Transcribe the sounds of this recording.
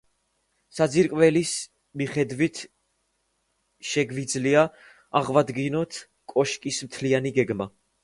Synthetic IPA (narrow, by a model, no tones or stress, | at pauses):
sad̪ziɾkʼvɛlis | miχɛd̪vit̪ʰ | ʃɛɡvid̪zlia | aʁvad̪ɡinɔt̪ʰ | kʼɔʃkʼismt̪ʰlianiɡɛɡma